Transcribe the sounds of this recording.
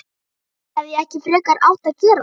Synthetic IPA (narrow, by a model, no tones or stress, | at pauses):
ɛvjɛɛhcɪfɾœːkaɾa̰ːwht̪acɛːɾa